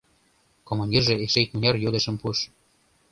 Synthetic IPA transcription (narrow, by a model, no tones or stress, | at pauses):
komonʲɡ̪ʲirʒĕeʃejt̪̚munʲɑrjod̪ə̆ʃə̆mpuʃ